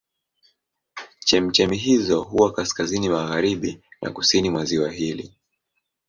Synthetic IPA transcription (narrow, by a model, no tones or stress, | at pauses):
t͡ʃɛm̩t͡ʃɛmiɦizɔɦuwakaskazinimaɣaɾiɓinʔa̰kusinimwaziwaɦilḭ